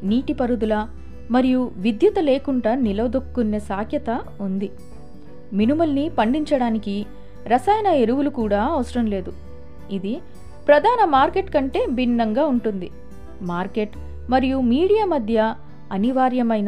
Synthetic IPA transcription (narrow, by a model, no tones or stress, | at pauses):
niːʈipɐɾud̪ulɐ | mɐɾijuʋid̪jut̪ɐle̞ːkuɳɖanilɐʋɐd̪okːunːeːsaːkʰjɐt̪ɐund̪i | minumɐlnipɐɳɖiɲt͡ʃɐɽaːniki | ɾɐsɐjɐnɐe̞ɾuʋulukuːɽaːɐʋɐsɐɾɐmle̞ːd̪u | id̪i | pɾɐd̪ʱaːnɐmaːɾke̞ʈkɐɳʈe̞ːbinːɐŋɡaːuɳʈund̪i | maːɾke̞ʈ | mɐɾijumiːɽijaːmɐd̪ʱjɐ | ɐniʋaːɾjɐmɐjnɐ